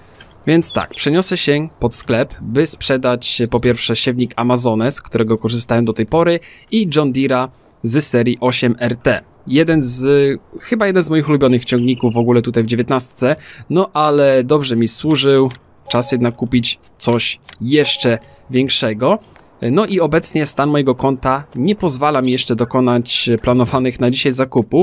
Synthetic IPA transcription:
vʲjɛnt̪st̪a̰k̚pʂɛɲɔsɛɕɛpɔt̪sklɛpbɘspʂɛd̪at͡ɕpɔpʲjɛɾfʂɛɕɛvɲikʰamazɔnɛskt̪uɾɛɡɔkɔʐɘst̪awɛmd̪ɔt̪ɛjpɔɾɘid͡ʐɔnd̪ʲiɾa | zɛsɛɾʲjiʔɔɕɛmɛɾt̪ɛ | jɛd̪ɛnzxɘbajɛd̪ɛnzmɔjixulubʲjɔnɘxt͡ɕɔ̃ŋɡɲikuvːɔɡulɛt̪ut̪ajvd͡ʑevʲjɛt̪nast̪sɛnɔʔalɛd̪ɔbʐɛmʲiswuʐɘw | t͡ʂasjɛd̪nakːupʲit͡ɕ | t̪sɔɕjɛʂt͡ʂɛ | vʲjɛŋkʂɛɡɔ | nɔʔiɔbɛt̪sɲɛst̪anmɔjɛɡɔkɔnt̪aɲɛpɔzvalamʲijɛʂt͡ʂɛd̪ɔkɔnat͡ɕplanɔvanɘxnad͡ʑiɕajzakupu

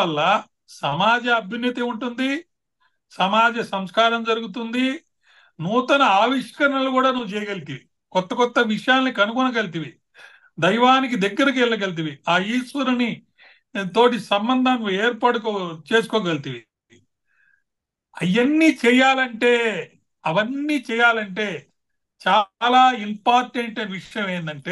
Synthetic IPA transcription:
ɐlːɐ | sɐmaːd͡ʒɐɐbʱjɐnjɐt̪iuɳʈund̪i | sɐmaːd͡ʒɐsɐmskaːɾɐmd͡ʒɐɾuɡut̪̬und̪i | nuːt̪ɐnɐaːʋiʂkɐɾɐɳɐlukuːɽaːnuʋːut͡ʃɛːjɐɡɐlit̪iʋi | kɔt̪ːɐkɔt̪ːɐʋiʂɐjaːlnikɐnukɔnɐkɐlit̪̬iʋi | d̪ɐjʋaːnikid̪ɛɡːɐɾɐk̬ɛlːɐk̬ɐlit̪̬iʋiaːiːʃʋɐɾuni | t̪o̞ːʈ̬isɐmbɐnd̪ʱɐmeːɾpɐɽɐkːt͡ʃe̞ːsu̥kɔːɡɐlit̪iʋi | ɐjɐnːiːt͡ʃɛːjaːlɐɳʈe̞ː | ɐʋɐnːiːt͡ʃɛːjaːlɐɳʈe̞ː | t͡ʃaːlaːimpaːɾʈeɳʈɐʋiʂɐjɐmeːnd̪ɐɳʈe̞ː

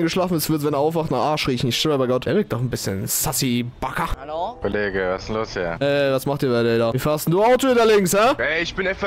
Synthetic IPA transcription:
nŋɡəʃlaːfn̩ɛsv̥ɪɐtvɛneːɐʔaʊfvaχtnaχaɐʃʁiːçn̩ɪçʃtɪləbaɪɡɔtɛɐvɪɐk̚td̥ɔχn̩bɪsçə̰nsasib̥akɐhalokʰoleːɡəvasnloːshḭːɐʔɛːvasmaχtiːɐbaɪdɛdaiːfaːɐstn̩duːaʊtoɪndɛɐlɪŋshɛʔɛɪçb̥ɪnɛfɐ

